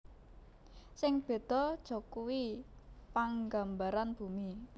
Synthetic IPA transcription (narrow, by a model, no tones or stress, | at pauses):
sɪŋb̥e̤d̪̥ɔ̤d̥ʒ̥ɔ̤kuwipaŋɡa̤mbaɾanb̥umi